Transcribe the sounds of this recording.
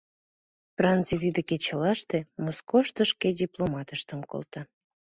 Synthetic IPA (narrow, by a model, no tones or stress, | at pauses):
prant͡sit̪id̪eket͡ɕəlɑʃt̪emoskoʃt̪əʃkedʲiplˠomɑt̪əʃt̪əmko̰lt̪ɑ